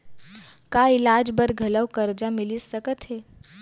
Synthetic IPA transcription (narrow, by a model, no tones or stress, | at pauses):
kailad͡ʒbəɾɡʱɐləwkəɾd͡ʒamilisəkət̪ɦe